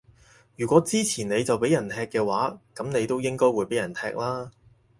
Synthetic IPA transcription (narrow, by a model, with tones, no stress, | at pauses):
jyː˨˩kʷɔː˨˥t͡siː˥t͡sʰiː˨˩ne˨˧jt͡sɐ˨wpe˨˥jɐ˨˩nt̪ʰɛː˧kːɛː˧waː˨˥kɐ˨˥mne˨˧jt̪o˥wjɪ˥ŋkɔː˥jwuː˨˧jpe˨˥jɐ˨˩nt̪ʰɛː˧k̚laː˥